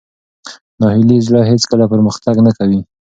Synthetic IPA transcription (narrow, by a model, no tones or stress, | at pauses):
nɑhɪlizɽəɦet͡skəlapəɾməxt̪aɡnakawi